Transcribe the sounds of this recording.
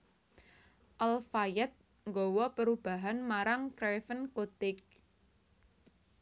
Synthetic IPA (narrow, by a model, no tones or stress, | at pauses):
ʔalfajɛt̪̚ | ŋɡɔwɔpəɾub̥a̤ɦanmaɾaŋkɾefənkot̪ɪk̚